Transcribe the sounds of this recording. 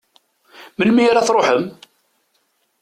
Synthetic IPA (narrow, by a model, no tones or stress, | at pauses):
məlmijaɾaθɾˤoħəm